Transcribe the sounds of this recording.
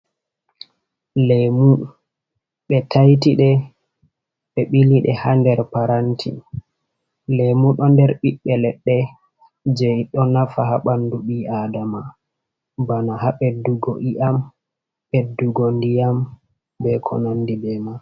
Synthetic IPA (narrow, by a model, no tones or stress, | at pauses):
lɛmu | ɓɛtʰajtiɗɛ | ɓɛɓiliɗɛ̰handɛɾpaɾantʰḭ | lɛmuɗɔndɛɾɓiɓːɛlɛɗːɛ | d͡ʒɛjɗɔnafaɦaɓanduɓiʔadama | banaɦaɓɛduɡo̰ʔiʔam | ɓɛduɡondijam | bɛkʰɔ̰nonːdibɛma